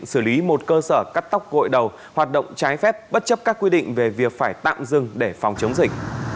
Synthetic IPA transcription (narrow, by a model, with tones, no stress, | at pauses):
ŋsɨː˧˩li˨˦mo˨˩t̚kəː˧səː˧˩ka˦˥k̚t̪a˦˥wk͡p̚ɣo̰˧˨jɗə˨˩w | hwaː˨˩t̚ɗə̰˧˨wŋ͡mt͡ɕaː˨˦jfɛ˦˥p̚ɓə˦˥t̚t͡ɕə˦˥p̚kaː˦˥kːwi˧ɗḭ̈˧˨ŋ̟ve˨˩vi˨˩ək̚faː˧˩jt̪a̰ː˧˨mzɨ˨˧˩ŋɗe˧˩fɔ˨˩wŋ͡mt͡ɕə˨˦wŋ͡mzï˨˩k̚